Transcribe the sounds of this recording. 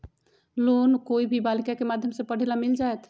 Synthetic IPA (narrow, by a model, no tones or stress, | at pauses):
lonkoibʱibalikakemad̪ʱjəmsẽpəɽ̤ilamild͡ʒaet̪